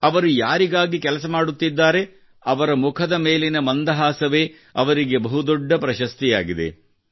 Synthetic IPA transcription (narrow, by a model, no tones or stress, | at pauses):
ɐʋɐɾujaːɾiɡaːɡikɛlɐsɐmaːɽut̪ːid̪ːaːɾe̞ | ɐʋɐɾɐmukʰɐd̪ɐme̞ːlenɐmɐnd̪ɐɦaːsɐʋe̞ː | ɐ̰ʋɐɾiɡe̞bɐɦud̪ɔɖːɐpɾɐʃɐst̪ijaːɡid̪e̞̰